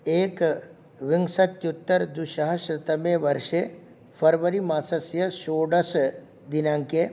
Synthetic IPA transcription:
eːk | ʋɪŋɡsɐt̪jut̪ːəɾd̪uʃəɦɐʃɾɪt̪əmẽʋɐɾʃe | pʰɐɾʋəɾimaːsɐsjɐʃoːɖɐs | d̪inãŋke

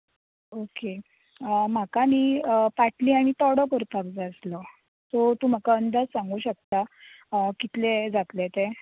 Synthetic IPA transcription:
oke | m̤akamiːpaʈliːaɽ̃it̪ɔɽəkəɾpakd͡zaslə | t̪ot̪um̤akaənd̪ad͡zsaŋɡuːɕək̚t̪a | kit̪led͡zat̪let̪e

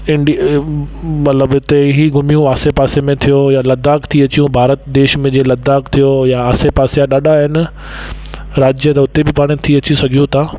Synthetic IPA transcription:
ɪ̃ɳɖi | mɐt̪ləbɪt̪eɦiɡʱʊmijũʋaːsepaːsemẽt̪ʰijojalɐd̪aːkt̪ʰiɐt͡ɕijũbʱaːɾət̪d̪eːʃmẽd͡ʑelɐd̪ʱaːkt̪ʰijojaaːsepaːsijaɗaːɗaɦɪnɪ̆ | ɾaːd͡ʑjət̪ɐʊt̪ebɪpaːɽ̃ɪt̪ʰiɐt͡ɕisɐɡʱijũt̪ʰaː

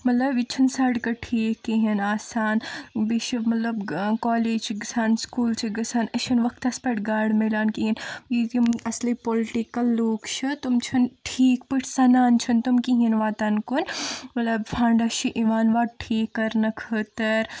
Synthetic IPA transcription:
mɐt̪lɐbit͡ʃʰɐnsaɖkɐʈʰiːkːiɦinaːsaːnbiʃɐbmɐt̪lɐbkɔːleːd͡ʒɡsaːnskuːlt͡ʃʰiɡɐsaːnɐʃʰɐnʋɐkʰt̪ɐspɐʈɡaːɽmelaːnkiɦinjit̪imɐslipolɪʈikɐlːoːkt͡ʃʰɨt̪umt͡ʃʰɐnʈʰiːkpiʈʰsɐnaːnt͡ʃʰunt̪umkiɦinʋaːt̪ankunmɐt̪lɐbfʰãːɳɖɐʃiʔiʋaːnʋaːʈʰiːkːɐɾnɐkʰəːt̪ɐɾ

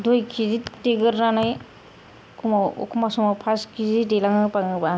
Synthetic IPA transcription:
dujkʰiziteɡɯɾnanaj | kʰuma̰kumasumapʰaskʰizidelaŋɯpaŋɯba

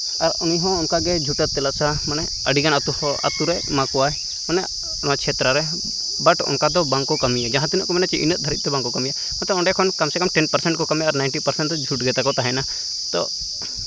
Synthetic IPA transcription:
aɾɔniɦɔ̃ɔnkaɡɛd͡ʒʱuʈət̪t̪ːɛlasamanɛ | əɖiɡanat̪ua̰t̪uɾɛmakuwaɛ | ɔnɛ | nat͡ʃʰɛt̪ɾəɾɛ | baʈɔ̰nkad̪ɔbaŋkɔkəmijad͡ʒaɦãt̪inəʔkɔmanɛt͡ʃɛʔḭnət̪̚d̪ʱəɾḭt̪̚t̪ɛbãŋkɔkəmija | mnt̪ɔɔɳɖɛkʰɔnkamsɛkəmʈɛnpəɾsɛɳʈkɔkəmijaːɾnajnʈipəɾsɛɳʈd͡ʒʱuʈɡɛt̪akɔt̪aɦɛ̃na | t̪ɔ̰

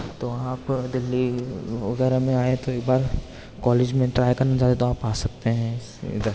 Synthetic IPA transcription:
t̪oaːpd̪ɪlːiʋɐ̰ɡɛːɾamẽaːẽt̪oeːkbaːɾ | kɔːleːd͡ʒmẽʈɾaːjkɐɾnad͡ʒaːd̪et̪oaːpaːsɐk̚t̪eɦɛ̃ɪsd̪əɾ

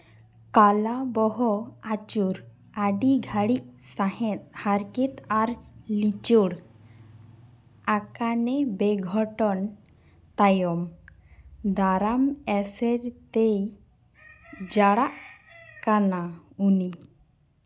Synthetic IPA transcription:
kalabɔɦɔat͡ʃuɾ | aɖiɡʱaɽiʔsahɛt̪̚haɾkit̪aɾlit͡ʃuɽ | akanɛbɛɡʱɔʈɔn | t̪ajɔm | d̪aɾamɛsɛɾt̪ej | d͡ʒaɽaʔ | kanauni

